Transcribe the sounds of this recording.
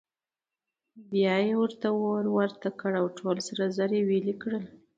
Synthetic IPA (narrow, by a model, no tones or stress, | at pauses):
bjɑjewəɾt̪awoɾwaɾt̪akəɽawʈʰolsaɾazaɾewelikɽəl